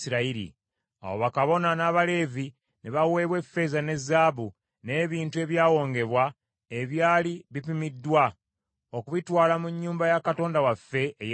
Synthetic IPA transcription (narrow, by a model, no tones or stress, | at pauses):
siɾaiɾḭ | a̰wo̰βakaβo̞nanaːβale̞ːvi | neβawe̞ːβwe̞fːe̞ːzane̞zːaːβu | ne̞ːβiːntue̞βjaːwo̞ːŋɡe̞βwa | e̞βjaːliβipimidːwa | o̞kuβitwaːlamuɲːuːmbajakato̞ːndawafːe̞ːj